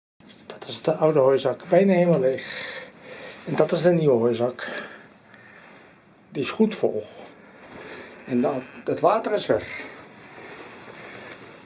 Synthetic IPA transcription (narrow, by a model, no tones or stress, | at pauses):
d̥ɔtɪsdəʔawdəhojsɑkbɛjnahemɔlˠex | ɛndɔtɪsdəniwəɦojsak | diɪsxutfo̰lˠ | ɛnətʋaːtərɪsfɛr